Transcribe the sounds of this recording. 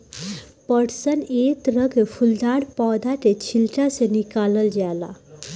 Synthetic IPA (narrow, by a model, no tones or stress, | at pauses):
pəɽsənet̪ɾəɡfʰuld̪aɽpɔd̪ʱaʈ̪et͡ɕʰilʈasenikaləld͡ʑala̰